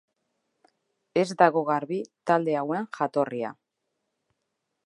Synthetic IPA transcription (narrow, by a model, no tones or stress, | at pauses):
e̞zd̪aɣo̞ɣaɾβit̪ald̪e̞aweŋʝat̪o̞ria̰